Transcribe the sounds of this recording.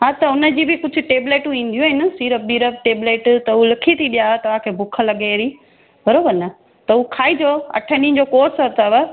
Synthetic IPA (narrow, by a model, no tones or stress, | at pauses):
ɦaːt̪ɐʊnəd͡ʑiːbɪkʊd͡ʑʱʊ̆ʈeːbleːʈũĩːn̆d̪ijũɪnɐsiːɾəbiːɾəʈeːbleːʈt̪ɐɦulɐkʰit̪ʰiɗijaət̪ɐʋ̤ãkʰeːbʱʊkʰəlɐɠeɾiː | bʱɐɾoːbəɾnɐ | t̪ɐɦukʰaːid͡ʑoɐ̰ʈʰənĩ̆d͡ʑoːkoːɾsɦɐt̪əʋə